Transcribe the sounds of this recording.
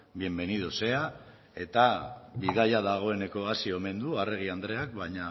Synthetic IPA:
bie̞mbe̞nið̞ose̞a | e̞t̪aβiðajaðaɣ̞o̞e̞ne̞ko̞asio̞me̞nd̪uare̞ɣ̞iand̪ɾe̞ak̚bajɲa

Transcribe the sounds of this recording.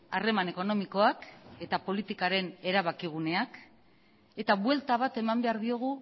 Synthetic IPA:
are̞mane̞ko̞no̞miko̞ake̞t̪apo̞lit̪ikaɾe̞ne̞ɾaβakiɣ̞une̞ak | e̞t̪aβwe̞lt̪aβ̞at̪e̞mambe̞aɾðio̞ɣ̞u

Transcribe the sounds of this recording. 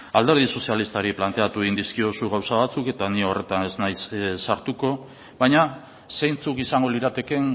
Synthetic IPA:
ald̪e̞ɾð̞iso̞sialist̪aɾiplant̪e̞at̪ueɣind̪iskio̞suɣ̞awsaβat͡suke̞t̪anio̞re̞t̪ane̞znajsːaɾt̪uko̞ | βajɲa | sejnt͡sukisaŋɡo̞liɾat̪e̞ke̞n

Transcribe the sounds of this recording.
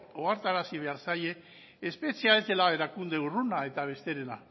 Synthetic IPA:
oaɾt̪aɾasiβ̞e̞aɾsaje̞ː | spe̞t͡siae̞zd̪e̞lae̞ɾakund̪e̞urunae̞t̪aβ̞e̞st̪e̞ɾena̰

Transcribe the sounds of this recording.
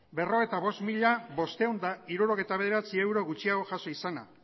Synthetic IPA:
be̞ro̞ɣejt̪aβo̞st̪miʎaβo̞st̪ewnd̪aiɾuɾo̞ɣe̞jt̪aβe̞ð̞e̞ɾat͡sie̞wɾo̞ɣut͡ʃiaɣo̞ʝaso̞isana̰

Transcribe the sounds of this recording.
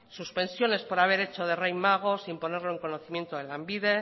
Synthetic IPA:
suspe̞nsjo̞ne̞spo̞ɾaβ̞e̞ɾe̞t͡ʃo̞ð̞erejmaɣ̞o̞simpo̞ne̞ɾlo̞e̞ŋko̞no̞θimje̞nt̪oðelambiðe̞

